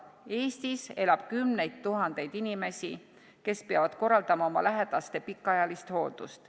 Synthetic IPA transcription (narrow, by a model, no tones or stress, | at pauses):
e̞ːst̪ise̞lɑb̥̚kymne̞jd̪t̪ːuɦɑnd̪̥e̞jd̪̥inime̞sʲi | ke̞speɑvɑd̪̥ko̞rːɑld̪̥ɑmɑo̞mɑ̰læɦed̪̥ɑst̪e̞pikːˑɑjɑlist̪ho̞ːld̪̥ust̪